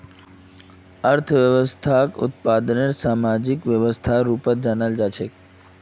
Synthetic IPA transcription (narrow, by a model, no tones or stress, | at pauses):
əɾt̪ʰəʋjəʋəst̪ʰakʊ̰t̪̚pad̪neɾsaːmad͡ʒikʋjəʋəst̪ʰaɾuːpət̪̚d͡ʒanald͡ʒaːt͡ʃʰek